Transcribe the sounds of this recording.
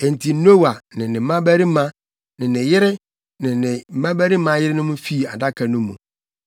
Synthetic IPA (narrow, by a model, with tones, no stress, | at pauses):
ɛ˨n̩˨tʰi˨˦no˦wa˨nɪ̃˨nɪ̃˨m̩˦mã˦bæ˦ɾi˦mã˦ | nɪ̃˨nɪ̃˨jɪ˦ɾɪ˦ | nɪ̃˨nɪ̃˨m̩˨˦mã˦bæ˦ɾi˦mã˨˦jɪ˦ɾɪ˦nʊ̃˦mʊ̃˦fi˦˨a˨da˦kʰa˨nʊ̃˦mːṵ̃˨